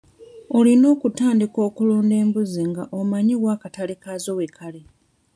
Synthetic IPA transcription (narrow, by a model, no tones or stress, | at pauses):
o̞lino̞ːkutaːndiko̞ːkuloːnde̞ːmbuziŋɡaʔomaɲiwaːkatalikazo̞wekʰale